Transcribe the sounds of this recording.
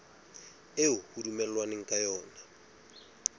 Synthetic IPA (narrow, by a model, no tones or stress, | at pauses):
eɦuhudumɛllwaniŋ̩kʼajɔːna